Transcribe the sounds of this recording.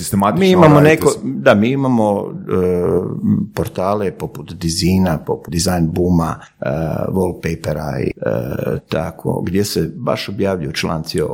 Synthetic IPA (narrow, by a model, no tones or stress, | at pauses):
sist̪emat̪imiːimamonekod̪amiːimamo | poɾt̪aːle̞po̞put̪d̪iziːnapo̞pud̪izajnbuma | ʋol̚ˠpejpeɾa̰ḭ | t̪akʰo̰ɡd̪je̞seba̰ʃobjaːʋʎujut͡ʃla̰ːnt̪sio̰